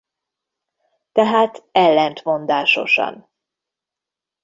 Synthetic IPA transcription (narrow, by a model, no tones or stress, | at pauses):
t̪ɛɦaːt̪ɛlːɛnt̪mo̞nd̪aːʃo̞ʃɒ̰n